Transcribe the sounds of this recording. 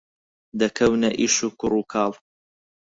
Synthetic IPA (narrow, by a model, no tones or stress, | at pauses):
d̪ɐkʰɐwnɐʔiʃukʊɾuːkʰɑːl